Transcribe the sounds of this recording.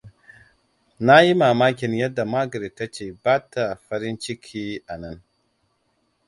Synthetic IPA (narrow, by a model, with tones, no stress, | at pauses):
na˦ji˦maː˨maː˦kʲɪ˨njɐ˦dːa˨maː˦ɡɐ˨ɾi˨tːa˦t͡ʃeː˨baː˦ta˨ɸɐ˦ɾɪ˦nt͡ʃɪ˦kʲʰiː˦ʔa˨nɐ˦n